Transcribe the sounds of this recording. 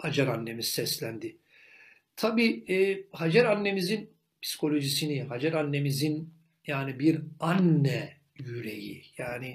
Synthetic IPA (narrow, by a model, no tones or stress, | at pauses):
had͡ʒaɾanːemizsɛslʲænd̪i | t̪ʰabiːɛːhad͡ʒaɾanːe̞mizin | pʰsi̥kʰo̞lʲo̞ʒisiniɦad͡ʒaɾanːe̞mizin | jaːnibiɾanːɛ | jyɾḛjḭjaːni